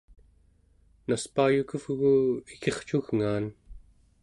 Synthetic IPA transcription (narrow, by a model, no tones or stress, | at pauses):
naspaːjukəvɣuike̞χt͡ʃuɣŋaːn